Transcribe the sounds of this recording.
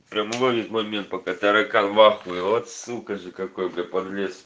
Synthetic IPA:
pɾʲamɨlˠovʲet̪ʲmɐjmʲent̪̚pɐkat̪aɾɐkanvaxʊɪot̪sɨkəʐɨkɐkojbɾʲepɐd̪lʲes

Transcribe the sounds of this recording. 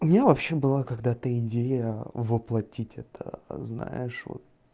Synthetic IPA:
ʊmʲɪnʲavɐpɕːebɨlˠakɐɡd̪at̪əɪdʲejəvɨplˠɐtʲitʲɛt̪ʰə̰zna̰jɪʂvo̰t̪̚

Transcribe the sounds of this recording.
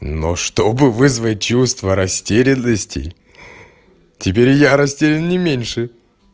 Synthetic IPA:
no̰ʂt̪obɨvɨzvət̚ʲt͡ɕust̪vəɾɐsʲtʲeɾʲɪnːəsʲtʲɪ̰ | tʲɪpʲeɾʲjaɾɐsʲtʲeɾʲɪnnʲɪmʲenʲʂɨ

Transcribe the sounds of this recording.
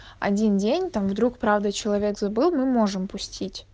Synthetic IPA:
ɐ̰dʲindʲenʲt̪amvd̪ɾukpɾavd̪ət͡ɕɪlˠɐvʲekzɐbɨlˠmɨmo̞ʐɨmpʊsʲtʲʰitʲ

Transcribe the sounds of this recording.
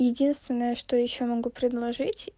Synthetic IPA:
jɪdʲinst̪vʲɪnːəjəʂt̪ojɪɕːomɐɡupɾʲɪd̪lˠɐʐɨtʲ

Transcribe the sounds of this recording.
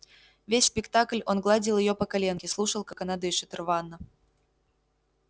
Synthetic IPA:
vʲesʲspʲɪkt̪aklʲonɡlˠadʲɪlˠjɪjopəkɐlʲenkʲɪslˠuʂəlˠkakɐnad̪ɨɪʂɨt̪rvanːə

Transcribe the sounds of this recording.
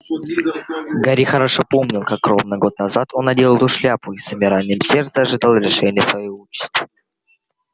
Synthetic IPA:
ɡaɾʲixəɾaʂopo̞mnʲɪlˠkak̚ːɾo̞vnəɡo̞t̪nɐzat̪ʰo̞nɐdʲe̞lˠəlˠʊʂlʲapʊisɨmʲɪɾalʲnɪmsʲe̞rt̪səɐʐɨd̪alˠɾʲɪʂɛnʲɪjəsvɐjiot͡ɕːɪ̥st̪v̥ə

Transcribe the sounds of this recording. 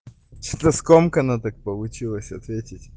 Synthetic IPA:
t͡ɕɪ̥t̪lɐskomkɐnat̪ak̚pəlˠʊt͡ɕilˠəsʲɐt̪vʲetʲɪtʲ

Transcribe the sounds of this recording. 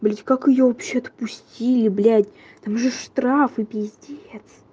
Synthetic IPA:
blʲædʲkakɨjovɐpɕːeɐt̪pusʲtʲilʲɪblʲædʲ | t̪amʐɨʂt̪ɾafɨbʲɪzʲdʲet̪s

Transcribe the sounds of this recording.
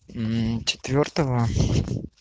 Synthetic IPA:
t͡ɕɪ̥t̪vʲort̪əvə

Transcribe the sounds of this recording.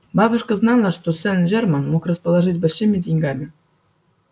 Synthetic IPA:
bɑbɤ̆ʂkɤ̆znɑlˠɤʂt̪osʲɘ̆nʲʑermɑnmukrə̆spəlˠaʐɨtʲbɘ̆lʲɕemʲedʲiŋʲɡɑmʲɪ

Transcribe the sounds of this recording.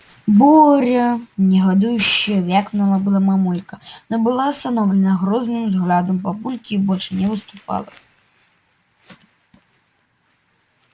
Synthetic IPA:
bɔɾʲɐnʲɛɣad̪ujuɕijɐvʲakmnɐlˠabɨlˠamamulʲkɐnabɨlˠaːst̪anɔwlʲɛnɐɣɾɔznɨmzɣlʲad̪ɐmpabulʲkʲibɔt͡ʂɨnʲɛvɨst̪upa̰lˠɐ

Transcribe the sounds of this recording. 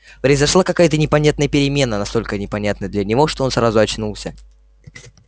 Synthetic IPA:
pɾəɪzɐʂlˠakɐkajət̪ənʲɪpɐnʲat̪nəjəpʲɪɾʲɪmʲe̞nːənɐst̪o̞lʲkənʲɪpɐnʲat̪nəd̪lʲənʲɪvo̞ʂt̪o̞o̞nsɾazʊɐt͡ɕnulˠsʲə

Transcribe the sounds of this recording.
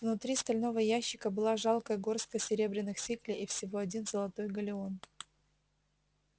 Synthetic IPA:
vnʊt̪ɾʲist̪ɐlʲno̞vəjæɕːɪ̥kəbɨlˠaʐalˠkəjəɡo̞rskəsʲɪɾʲe̞bɾʲɪnːɨxsʲiklʲɪʔifsʲɪvo̞ɐdʲinzəlˠɐt̪o̞jɡəlʲɪo̞n

